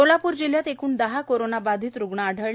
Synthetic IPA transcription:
olapuːɾd͡ʑil̤jat̪ekuːɳd̪əɦakoɾonabad̪ʱiːt̪ɾuɡɳaəɖʱəɭ

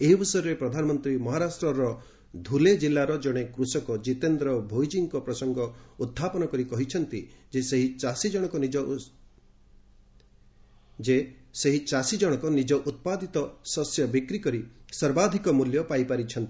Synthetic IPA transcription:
eɦibʱɔsɔjɔɾepɾɔd̪ʱanɔmɔnt̪ɾimɔɦaɾasʈɾɔɾɔ | d̪ʱuled͡ʒilːaɾɔd͡ʒɔɽ̃ekɾusɔkɔd͡ʒit̪end̪ɾɔbʱojd͡ʒiŋkɔpɾɔsɔŋɡɔud̪̚ʱːapɔnɔkɔɾikɔɦit͡ʃʰɔnt̪id͡ʒeseɦit͡ʃasid͡ʒɔɽ̃ɔkɔnid͡ʒɔ | d͡ʒeseɦit͡ʃasid͡ʒɔɽ̃ɔkɔnid͡ʒɔʔut̪̚pad̪ʱit̪ɔsɔsjɔbikɾikɔɾisɔɾbad̪ʱikɔmuljɔpajpaɾit͡ʃʰɔnt̪i

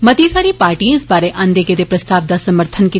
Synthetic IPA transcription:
mɐt̪isaːɾipaːɾʈĩɪsbaːɾeʔãnd̪eːɡed̪epɾɐst̪aːʋd̪asɐməɾt̪ʰənki

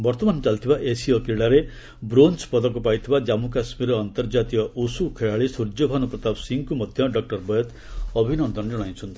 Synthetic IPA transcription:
bɔɾt̪ɔmant͡ʃalt̪ʰibaʔesiɔkiɭaɾe | bɾonspɔd̪ɔkupajt̪ʰibad͡ʒamukasmiɾɔːnt̪ɔɾd͡ʒat̪iɔʔusukʰeɭaɭisuɾd͡ʒɔbʱanupɾɔt̪absiŋkumɔd̪ʱjɔɖɔk̚ʈɔɾbɔjɔt̪ | ɔbʱinɔnd̪ɔnɔɽ̃aj̃t͡ʃʰɔnt̪ʰi

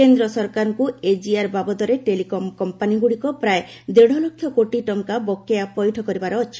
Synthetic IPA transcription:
end̪ɾɔsɔɾkaɾɔŋkued͡ʒiaɾbabɔd̪ɔɾeʈelikɔmkɔmpaniɡuɽikɔpɾae | d̪eɽʱɔlokʰːjɔkoʈiʈɔŋkabɔkːeapɔjʈʰɔkɔɾibaɾɔːt͡ʃʰi̥

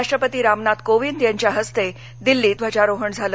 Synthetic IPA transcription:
aʂʈɾəpət̪iːɾamnat̪koʋind̪jaɲt͡ɕjaɦəst̪e | d̪ilːiːt̪ʋ̤at͡ɕaɾoɦəɳd͡zʱalə

